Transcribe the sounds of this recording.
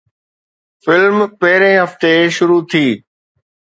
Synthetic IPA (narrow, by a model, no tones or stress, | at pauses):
fɪlmpɐɦɪɾẽɦɐft̪eʃʊɾut̪ʰiː